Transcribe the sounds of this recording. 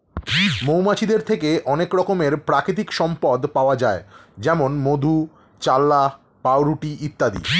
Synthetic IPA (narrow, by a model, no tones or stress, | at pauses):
mowmat͡ɕid̪eɾt̪ʰekeʔɔnekɾɔkomeɾpɾakɾit̪̬ikʃɔmpɔd̪paoad͡ʑaed͡ʑɛmonmod̪ʱu | t͡ɕalːa | pawɾuʈiʔit̪ːad̪ḭ